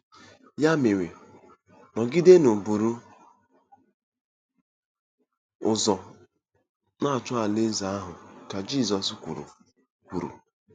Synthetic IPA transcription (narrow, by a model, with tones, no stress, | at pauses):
ja˦mɪ˨we˨ | nɔ˨ɡi˦de˦nʊ˨bu˨ɾu˦ | ʊ˨zɔ˨ | na˦˨t͡ʃʊ˦a˨lɪ˦n̩˦za˨˦a˦ɦʊ˨ka˨d͡ʒi˦˨zɔ˨skʷṵ˨ɾṵ˨ | kʷu˨ɾṵ˨